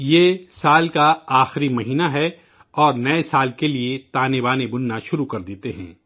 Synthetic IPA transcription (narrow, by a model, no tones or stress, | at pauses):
jeːsaːlkaaːxɾimɐɦiːnaɦɛ | ɔːɾnɐesaːlkeliet̪aːnebaːnebʊnːaʃʊɾukɐɾd̪eːt̪eɦɛ̰̃ː